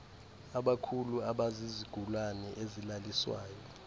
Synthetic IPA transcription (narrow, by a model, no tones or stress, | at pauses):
aɓakʰuluaɓaziziɡ̥ʱulwanɛʔezilaliswa̰ːjɔ